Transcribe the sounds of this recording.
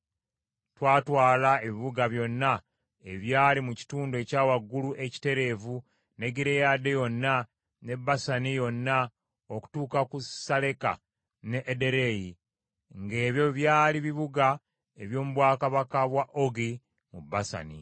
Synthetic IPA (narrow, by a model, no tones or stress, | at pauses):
twaːtwaːlae̞βiβuɡaβjo̞nːa | e̞βjaːlimuci̥tuːndoe̞ːcaːwaɡːuluʔe̞ci̥te̞ɾe̞ːvu | ne̞ɡiɾe̞jaːde̞jo̞nːa | ne̞bːasanijo̞nːa | oku̥tuːkakusale̞ka̰ | neʔːde̞ɾe̞ji | ŋɡe̞ːβjo̞βjaːliβiβuɡa | e̞βjo̞ːmuβwaːkaβakaβwaʔo̞ɡi | mubːasa̰ni